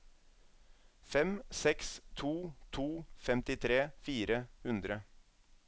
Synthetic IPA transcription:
fɛmsɛkst̪ʰuːt̪ʰuːfɛmt̪ɪt̪ʰɾeːfiːɾəhʉnd̪ɾə

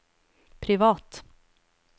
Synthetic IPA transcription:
pʰɾɪvɑːt̪

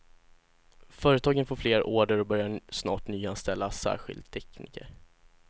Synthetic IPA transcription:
fœːɾət̪ʰɑːɡənfoːɾfleːɾoːɖəɾɔbœɾjasnɑ̰ːʈnyːanst̪ɛlːasæ̰ːɾɧɪ̰ld̪̚t̪ʰːɛknḭːkə̰ɾ

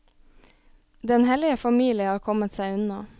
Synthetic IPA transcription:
d̪ɛnhɛlɪəfɑmiːlɪəhɑːɾkʰɔmət̪sæɪʉnɑ

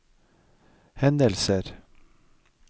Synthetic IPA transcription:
hɛnd̪əlsəɾ

